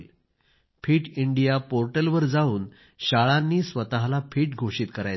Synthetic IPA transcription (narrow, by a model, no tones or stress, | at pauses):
l | fʰiːʈiɳɖijapoɾʈəlʋəɾd͡zauːn | ɕaɭanːiːsʋət̪aɦlafʰiːʈɡʱoʂiːt̪kəɾaj